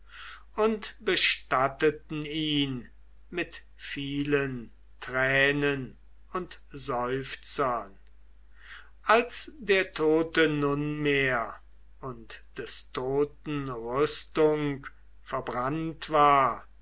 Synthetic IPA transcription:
ʔʊntb̥əʃtatətn̩iːn | mɪt | fiːlən | tʁɛːnən | ʊnt | zɔʏft͡sɐn | ʔalsdeːɐtʰoːtənʊnmeːɐ | ʊntd̥ɛstʰoːtn̩ʁʏstʊŋk | fɛɐbʁantv̥aːɐ

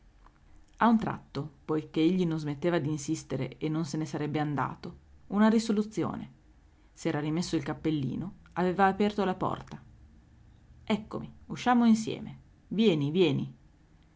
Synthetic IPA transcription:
aunt̪ɾa̰t̪ːopojkeeʎːinonzmet̪ːeːvad̪iːnsist̪eɾḛenːonsenesaɾɛbːeand̪a̰ːt̪ounaɾisolut̪sːjo̰ːnḛ | sɛːɾarimesːoilkapːelːḭːno | aveːvaːpɛrt̪olapɔ̰rt̪a | ɛkːo̰miuʃːaːmoinsjɛ̰ːme | vjɛːnivjɛːni

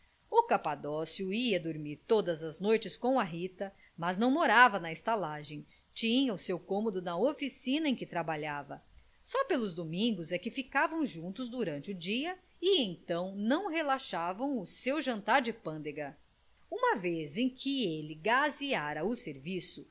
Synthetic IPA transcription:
ʊkapad̪ɔsjʊiɐd̪oɾmiɾt̪od̪ɐzɐznojt͡ʃɪskõw̃ɐɦit̪ɐ | mɐznɐ̃w̃moɾavɐnɐist̪alaʒẽj̃ | t͡ʃĩɲɐʊsewkõmod̪ʊnɐofisĩnɐẽkɪt̪ɾabaʎavɐ | sɔpelʊzd̪omĩŋɡʊzɛkɪfikavɐ̃w̃ʒũnt̪ʊzd̪uɾɐ̃nt͡ʃɪʊd͡ʒiɐ | ɪẽj̃t̪ɐ̃w̃nɐ̃w̃ɦelaʃavɐ̃w̃ʊsewʒɐ̃nt̪aɾd͡ʒɪpɐ̃nd̪eɡɐ | ũmɐvezẽj̃kʰɪelɪɡaziaɾɐʊseɾvisʊ

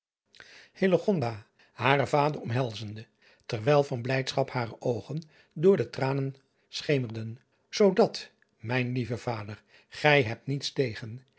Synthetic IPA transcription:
heləχɔnda | haːrəvaːdərɔmɦɛlˠzəndə | tɛrʋɛjlˠvɑnblɛjtsχɑphaːrəʔowχən | dʊːɹdətraːnən | sχejmərdən | z̥owdɑt | mɛjnlivəv̥aːdər | χɛjɦɛp̚tnitstejχən

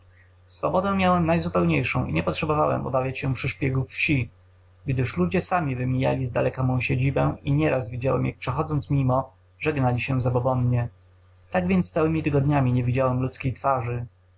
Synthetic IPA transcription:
sfɔ̰bɔd̪ɛw̃mʲjawɛmnajzupɛwɲejʂɔ̰̃w̃ʔḭɲɛpɔtʂɛbɔvawɛ̰mɔ̰bavʲjat͡ɕɕɛpʂɘʂpʲjɛɡufːɕi | ɡd̪ɘʂlud͡ʑɛsamʲivɘmʲija̰lʲizd̪a̰lɛkamɔ̃w̃ɕed͡ʑibɛiɲɛɾazvʲid͡ʑawɛ̰mja̰k̚pʂɛxɔd̪zɔnt̪smʲimɔ | ʐɛɡnalʲiɕɛzabɔbɔnɲɛ | t̪aɡvʲjɛnt̪st̪sawɘmʲit̪ɘɡɔd̪ɲamʲiɲɛvʲid͡ʑawɛmlut̪skʲejt̪faʐɘ

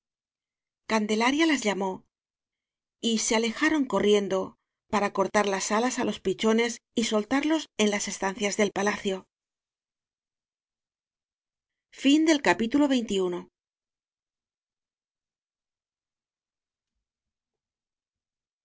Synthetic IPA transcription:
kand̪e̞laɾjalazʎamo̞ | ise̞ale̞xaɾo̞ŋko̞rje̞nd̪o̞ | paɾako̞ɾt̪aɾlasalasalo̞spit͡ʃo̞ne̞siso̞lt̪aɾlo̞se̞nlase̞st̪an̟θjazðe̞lpalaθjo̞ | find̪e̞lkapit̪ulo̞βe̞jnt̪iuno̞

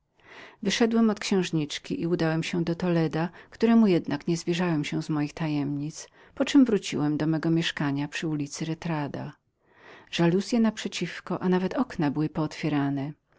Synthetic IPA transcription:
vɘʂɛd̪wɛmɔt̪kɕɛ̃w̃ʐɲit͡ʂkʲiʔiud̪awɛmɕɛd̪ɔt̪ɔlɛd̪akt̪uɾɛmujɛd̪nakɲɛzvʲjɛʐawɛmɕɛw̃zmɔjixt̪ajɛmɲit̪s | pɔt͡ʂɘmvɾut͡ɕḭwɛmd̪ɔmɛɡɔmʲjɛʂkaɲapʂɘulʲit̪sɘɾɛt̪ɾad̪a̰ | ʐ̥alusʲjɛnapʂɛt͡ɕifkɔʔanavɛt̪ɔknabɘwɘpɔːt̪fʲjɛɾanɛ

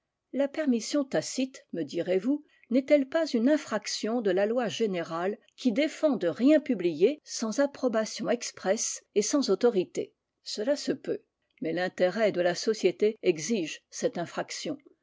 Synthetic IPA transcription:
lapɛʁmisjɔ̃t̪asit̪məd̪iʁevu | nɛt̪ɛlpazynɛ̃fχaksjɔ̃d̪əlalwaʒeneʁal | kʲid̪efɑ̃d̪əʁjɛ̃pyblijesɑ̃zapχɔbasjɔ̃ɛkspχɛsesɑ̃zot̪ɔʁit̪ḛ | səlasəpø | mɛlɛ̃t̪eʁɛd̪əlasɔsjet̪eɛɡziʒsɛt̪ɛ̃fχaksjɔ̃

